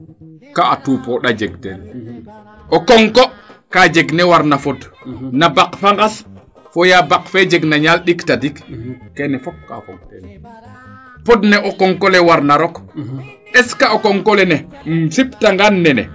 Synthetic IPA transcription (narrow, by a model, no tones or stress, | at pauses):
kaatupɔɗad͡ʒɛɡ̚tɛn | ʔɔkɔŋkɔkad͡ʒɛɡnɛwaɾnafɔdnabakfaŋɡas | fɔjabakfɛd͡ʒɛɡnaɲalɗiktadikkɛnɛfɔk | pɔdnɛʔɔkɔŋkɔlɛwaɾnaɾɔk | ɗɛskaɔkɔŋkɔlɛnɛmsiptaŋɡanːɛnɛ̰